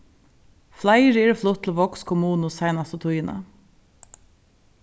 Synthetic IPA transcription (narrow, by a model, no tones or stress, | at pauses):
flæɪɾəeːɾəflʊt̪ʰːl̩ːʋɔkskʰʊmuːn̩ʊsæɪnɑst̪ət̪ʰʊiːnʔɑ̰